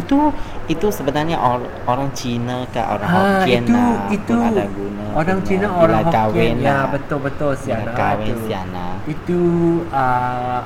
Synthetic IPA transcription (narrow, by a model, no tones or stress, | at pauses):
it̪uit̪usəbənarɲaʔo | oɾaŋt͡ʃinəka̰ʔo̰ɾaŋhaiinuit̪uaɡunəoɾaŋt͡ʃinəoɾaahokawɪnabət̪ʊlbət̪ʊlsiaakawɪnsia̰na̰it̪uə